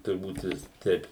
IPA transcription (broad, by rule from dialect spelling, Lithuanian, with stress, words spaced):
tʊrˈbuːt ˈʋʲɪs ˈtʲɛɪp